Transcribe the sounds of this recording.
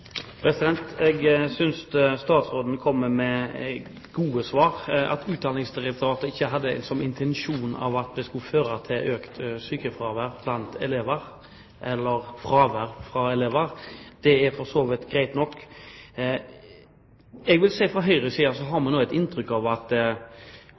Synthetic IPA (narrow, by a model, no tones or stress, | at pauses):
pʰɾɛsɪd̪ɛnt̪ɛɡsʏnsst̪ɑːt̪sɾoːd̪n̩kʰɔmːəmɛ | ɡuːəsʋɑːɾɑ̰t̪ʰʉːt̪d̪ɑːnɪŋsd̪ɪɾɛk̚t̪ʊɾɑːt̪əɾɪçːəɦɑd̪ːəɛ̰nsɔnːɪnt̪ʰɛnʃuːnɑ̰ʋɑt̪̚d̪ɛskʉføːɾɑt̪ʰɪlʔøːkt̪syːkəfɾɑːʋəɾblɑnt̪ɛleːʋəɾ | ʔɛlːəɾfɾɑːʋæɾfɾɑɛleːʋəɾd̪̥ɛæɾfɔsoːʋɪt̪ɡɾæɪt̪nɔkː | ɛɡʋɪlsæɪfʁɑɦœʏɾəsiːɑsɔɦɑɾmɑnːuːɛt̪ɪnt̪ɾʏkːɑʋɑt̪